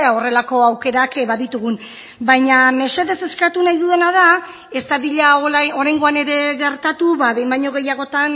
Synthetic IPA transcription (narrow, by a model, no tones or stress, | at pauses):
o̞re̞lako̞awke̞ɾakbaðit̪uɣun | bajɲame̞se̞ðe̞se̞skat̪unajðuðe̞nað̞a | e̞st̪aðiʎaoɾajŋɡo̞ane̞ɾe̞ɣe̞ɾt̪at̪uβaβejmbajɲo̞ɣ̞e̞jaɣ̞o̞t̪an